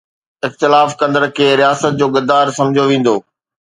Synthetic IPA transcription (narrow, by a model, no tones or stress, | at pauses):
ɪxt̪ɪlaːfkɐ̃nd̪əɾkʰeːɾijaːsət̪̚d͡ʑoːɡɐd̪aːɾsɐ̃md͡ʑʱoʋẽːn̆d̪oː